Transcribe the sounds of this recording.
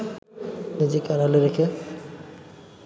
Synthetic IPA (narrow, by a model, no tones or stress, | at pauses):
nid͡ʑekaɾaleɾekʰe